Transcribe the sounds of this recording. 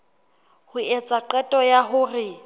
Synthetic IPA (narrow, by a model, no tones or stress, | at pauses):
hʊɛt͡sʼaǃɛtʼɔjaɦʊrɪ